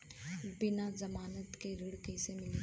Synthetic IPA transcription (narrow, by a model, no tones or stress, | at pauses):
bɪnazɐmaːnət̪keɾʊɽkesemɪl